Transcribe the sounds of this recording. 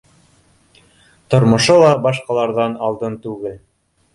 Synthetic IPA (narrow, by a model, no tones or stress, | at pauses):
t̪ŏɾmŏʃolˠɑbɑʃqɑlˠɑɾðɑnɑlˠd̪ɤnt̪ʉɡɘl